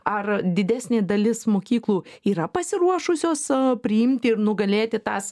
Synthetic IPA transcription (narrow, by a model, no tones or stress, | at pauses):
ɐrd̪ʲɪd̪ʲæːsʲnʲeːd̪ɐlʲɪsmoːkʲiːklˠuːiːɾɐpɐsʲɪɾuɔʃʊsʲoːspʲɾʲɪɪmʲt̪ʲɪɪɾnʊɡɐlʲeːt̪ʲɪt̪ɑːs